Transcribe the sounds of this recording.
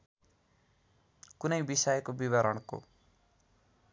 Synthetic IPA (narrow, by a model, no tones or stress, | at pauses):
kunʌjbisʌjkobiβʌɾʌɽko̰